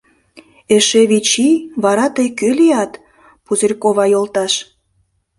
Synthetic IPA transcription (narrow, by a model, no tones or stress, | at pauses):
eʃeβit͡ɕiβɑɾɑt̪əjkølijɑt̪ | puzerʲkoβɑjolt̪ɑʃ